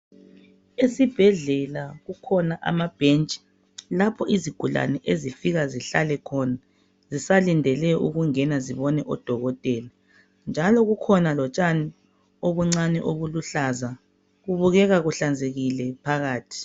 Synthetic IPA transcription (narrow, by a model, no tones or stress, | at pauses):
esib̥ʱɛɮɛlaɣukʰɔnaʔa̰mab̥ʱent͡ʃʼi̥ | lapʰɔiziɡ̥ʱula̰nɛʔezifiɣaziɬalɛkʰɔna | zisalindʱɛlɛṵɣuŋɛnaziβɔnɛʔɔd̥ʱɔɣɔtʼɛːla | nd͡ʒʱalɔɣukʰɔnalɔt͡ʃʼani | oβuŋ͡ǀanɛ̰ʔoβuluɬaza | ɣuβuɣɛɣaɣuɬand͡zʱeɣilɛpʰaɣaːtʰi̥